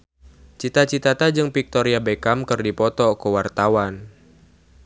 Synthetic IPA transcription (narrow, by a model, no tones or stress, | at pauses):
t͡ʃit̪at͡ʃit̪at̪ad͡ʒɨŋpik̚t̪ɔɾiabekamkɨrdipɔt̪ɔkəwart̪awan